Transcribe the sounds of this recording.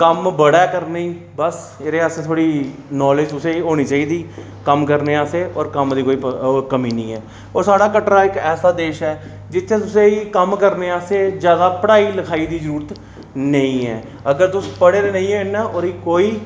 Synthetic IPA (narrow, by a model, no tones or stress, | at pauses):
kəmbəɽɛːkəɾniːbəs | eːɾeːaːseːt̪ʰoːɽiːnɔːled͡ʒt̪ʊsẽːiɦoːñiːt͡ʃaːiːd̪iː | kəmkəɾneːaːseːɔːɾkəmd̪iːkoːiːpkəmiːnə̃ĩːɛː | ɔːɾsaːɽaːkəʈɾaːɪkɛːsaːd̪eːʃɛː | d͡ʒɪt̪ʰːẽːt̪ʊseːiːkəmkəɾneːaːseːd͡ʒjaːd̪aːpəɽaːiːləkʰaːiːd̪iːzəɾuːɾət̪ | nəĩːɛ̰ː | əɡəɾt̪ʊspəɽeːɾeːnə̃ĩːɛːɪnːaːɔːɾiːkoːiː